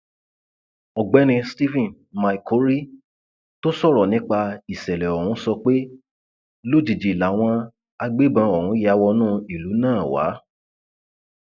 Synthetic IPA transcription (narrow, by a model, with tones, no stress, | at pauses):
ɔ˨ɡ͡bɛ˨˦nĩ˧sti˦fĩ˦˨n | ma˧i˨ko˨˦ɾi˦ | to˦sɔ˦˨ɾɔ˨nĩ˦k͡pa˧i˨sɛ˨lɛ˨ɔ˨hũ˨˦sɔ˧k͡pe˦ | lo˦˨d͡ʒi˨d͡ʒi˨la˨w̃ɔ̃˧ | a˧ɡ͡be˦bã˧ɔ˨hũ˨˦a˧wɔ˧nũː˦˨i˨lu˨˦nãː˦˨wa̰˨˦